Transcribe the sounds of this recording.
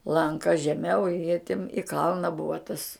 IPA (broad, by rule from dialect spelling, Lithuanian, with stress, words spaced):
lˠɐŋˈkɐ ʒʲɛˈmʲɛʊ ɪ jiɛ tʲɪm ɪ ˈkɐlˠnɐ ˈbʊʋɐ tɐs